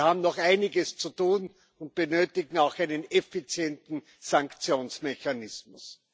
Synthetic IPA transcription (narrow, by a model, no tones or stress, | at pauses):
haːbm̩nɔχaɪnɪɡəst͡sutuːn | ʊnt̚b̥ənøːtɪɡŋ̩aʊxæɪnənɛfit͡sjɛntn̩ | saŋkt͡sjoːnsmeçanɪsmʊs